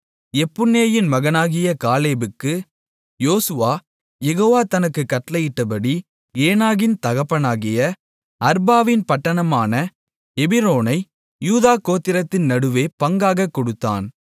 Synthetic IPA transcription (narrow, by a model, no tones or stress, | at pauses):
ɛpːʊnːeːjɪnmɐɣɐnaːɣɪjɐkaːleːbɯkːɯ | joːsɯʋaː | jɛɣoːʋaːt̪ɐnɐkːɯkːɐʈːlɐjɪʈːɐpɐɽi | eːnaːɣɪnt̪ɐɣɐpːɐnaːɣɪjɐ | ɐɾbaːʋɪnpɐʈːɐɳɐmaːnɐ | ɛbɪɾoːnɐɪ | juːðaːkoːt̪ːɪɾɐt̪ːɪnnɐɽɯʋeːpɐŋɡaːɣɐkːɔɽɯt̪ːa̰ːn